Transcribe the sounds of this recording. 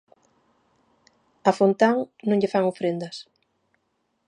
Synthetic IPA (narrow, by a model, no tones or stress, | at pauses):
afont̪aŋnõŋʎefaŋofɾend̪ɐs